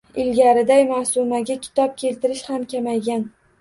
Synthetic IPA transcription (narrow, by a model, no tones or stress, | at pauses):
ɪlɡʲaɾɪd̪ajmasʊmaɡʲakʲʰɪ̥t̪ʰɒp̚kʲʰe̞lt̪ɪɾɪʃhamkʲʰamajɡʲan